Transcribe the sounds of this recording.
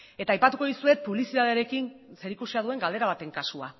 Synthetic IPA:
e̞t̪aːjpat̪uko̞ðisue̞t̪̚puβlisiðaðeaɾe̞kinse̞ɾikusiaðue̞ŋɡald̪e̞ɾaβ̞at̪e̞ŋkasua̰

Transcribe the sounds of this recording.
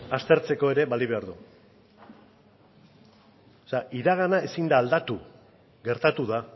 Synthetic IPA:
ast̪e̞ɾt͡se̞ko̞e̞ɾe̞βaliβ̞e̞aɾðu | oseaʔiɾaɣ̞anaesind̪aːld̪at̪u | ɣe̞ɾt̪at̪uða

